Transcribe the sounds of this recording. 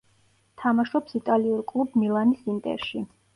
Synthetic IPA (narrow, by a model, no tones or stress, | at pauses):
t̪ʰamaʃɔpsit̪ʼaliuɾkʼlˠubmilˠanisint̪ʼɛ̰ɾʃi